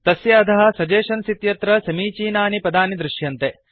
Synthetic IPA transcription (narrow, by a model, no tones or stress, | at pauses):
t̪ɐsjɐːd̪ɐɦɐ̆sɐd͡ʒeːʃɐnsit̪jɐt̪ɾɐsɐmiːt͡ʃiːnaːnipɐd̪aːnid̪ɾɪʃjɐnt̪e